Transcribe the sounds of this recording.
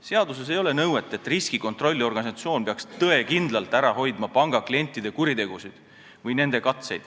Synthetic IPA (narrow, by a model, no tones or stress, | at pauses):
se̞ɑd̪us̬e̞s̬e̞jo̞le̞nɤwet̪ːˑe̞t̪ːˑriskiko̞nt̪ˑro̞lʲːio̞rɡ̥ɑnisɑt̪sio̞ːnpeɑkst̪ɤe̞kind̪lɑlt̪ˑæɾɑɦo̞jd̪̥mɑpɑŋɡ̥ɑklie̞nʲt̪ːˑid̪e̞kuɾit̪e̞ɡ̥usid̪̥ | vɯjne̞nd̪̥e̞kɑt̪se̞jd̪̥